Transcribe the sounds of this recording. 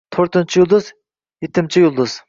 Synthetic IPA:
t̪ʰoɾt̪ɨnt͡ʃʰijulˠd̪ɨz | jet̪ʰːɪnt͡ʃʰijuʊlˠd̪ʊz

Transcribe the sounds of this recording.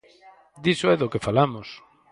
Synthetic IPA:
d̪isoɛðokefalamʊs

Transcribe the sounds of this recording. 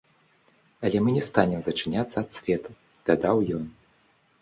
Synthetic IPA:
ɐlʲɛmɨnʲɛst̪anʲɛmzɐt͡ʂɨnʲat̪sːɐɐt̪sʲvʲɛt̪u | d̪̥ad̪awjɔn

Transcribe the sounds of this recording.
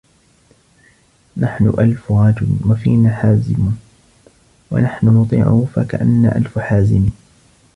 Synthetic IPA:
naħnʊ̰ʔalfʊɾˤɑːd͡ʒʊlwafiːnaːħaːzɪ̰mʊ | wa̰naħnʊnʊt̪ˤḭːʕʊ̰hʊfa̰kaʔanːa̰ːʔalfħaːzɪmiː

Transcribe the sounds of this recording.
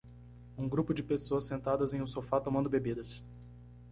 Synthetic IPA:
ũɡɾupʊd͡ʒɪpesoɐsːẽnt̪ad̪ɐzẽj̃ũsofat̪õmɐ̃nd̪ʊbebid̪ɐs

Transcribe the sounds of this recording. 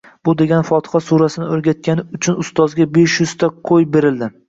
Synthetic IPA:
b̥ʊd̪e̞ɡʲanfɒt̪ʰɨ̥hasuɾasɪnɪoɾɡʲat̪̚kʲanɪʊt͡ʃʰʊnʊst̪ɒzɡʲabe̞ʃjʊz̥t̪ʰaqʰojbe̞ɾɪld̪ɪ

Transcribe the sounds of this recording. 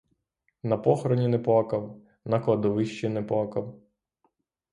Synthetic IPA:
nɐpɔxɾɔnʲinɛplˠakɐw | nɐklˠɐd̪ɔʋɪʃt͡ʃinɛplˠakɐw

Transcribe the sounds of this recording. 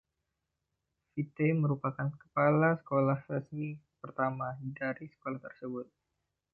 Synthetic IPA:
fit̪eməɾupakankə̥palasə̥kolahrəsmipərt̪amadaɾisə̥kolaht̪ərsəbʊt̪̚

